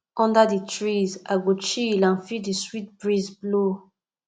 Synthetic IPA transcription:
ɔ̃ndədətʰɹizaɡut͡ʃilãnfidəswit̚bɹizblo

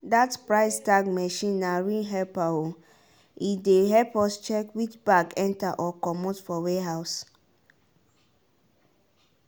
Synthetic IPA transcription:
datpɹaɪstaɡmɛʃĩnːaɹiɦɛpao | ideɦɛpɔst͡ʃɛkwit͡ʃbaɡɛ̃ntaʔɔkɔmotfɔweɦaʊs

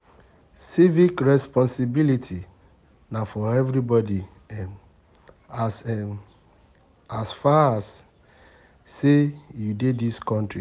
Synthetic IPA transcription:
sivikɹɛspɔ̃nsibilitʰi | nafɔɛvɾibɔdi | as | asfaas | ejudediskɔ̃ntɹi

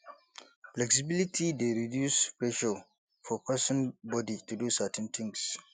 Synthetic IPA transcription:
flɛksɪbilitʰideɾidjuːspɹɛʃo | fɔpʰasɔ̃nbɔditudusatʰɛ̃nt̪ʰɪ̃ŋɡs

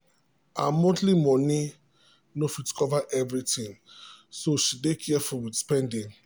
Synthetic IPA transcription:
amotlimɔni | nofitkʰɔvaʔɛvɹitĩŋsoʃidekʰɛfɔwidspɛ̃ndĩ

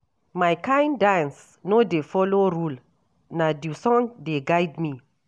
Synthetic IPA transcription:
majkãjndãns | nodefɔloɾul | nadusɔ̃ŋdeɡajdmi

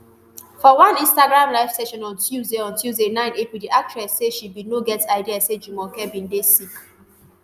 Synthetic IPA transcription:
fɔwãnĩnstaɡɹãmlaɪfsɛʃɔ̃nɔ̃ntʰjuzdeɔ̃ntjuzdenãɪ̃nepidiʔak̚tɹɛsːeʃibinoɡɛtaɪdiased͡ʒumɔkɛbĩndesik

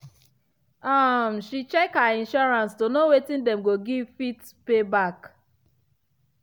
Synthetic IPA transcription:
am̩ʃit͡ʃɛkhaĩnʃɔɹãnstonowetĩndɛmɡoɡivfit | pebak

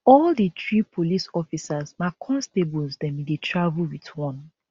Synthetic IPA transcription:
ɔlditɹipʰolisɔfisazmakʰɔ̃nstebulzdɛ̃mdetʰɹavulwitwɔ̃n

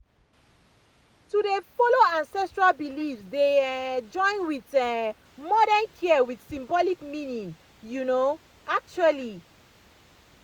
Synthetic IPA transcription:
tudefoloãnsɛstɹalbilifsdead͡ʒɔ̃ɪ̃nwitɛ | mɔɾɛnkʰiəwidsĩmbɔlikminĩŋ | juno | ak̚t͡ʃuali

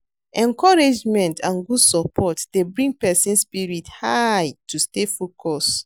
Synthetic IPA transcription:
ʔɛ̃nkɔɹed͡ʒmɛ̃ntʰãnɡudsɔpʰɔtdebɹĩŋɡpɛsĩnspiɹithajtustefokʰɔs

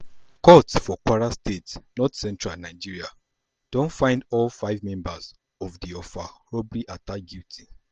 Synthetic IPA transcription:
kɔtsfɔkwaɹastetsnɔtsɛ̃ntɹanaɪd͡ʒiɹia | d̥õntfãɪ̃ndɔlfaɪvmɛ̃mbaz | ɔvdiɔfaɹɔbliʔataɡiltʰi̥

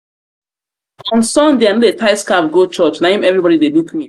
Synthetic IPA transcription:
ɔ̃nsɔ̃ndeanoetaɪskapɡot͡ʃɔt͡ʃnaĩmɛvɹibɔɾidelukmi

